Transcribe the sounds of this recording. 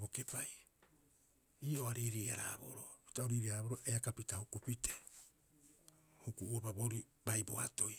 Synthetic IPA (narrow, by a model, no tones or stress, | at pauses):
bo̞ke̞paj | iːʔoaɾiɾia̰ɾa̰ːbo̰ɾopi̥taoɾiɾiaɾaboɾoʔeakapitahukupite̥ | hukuuopaboɾibajbo̞̰a̰to̞j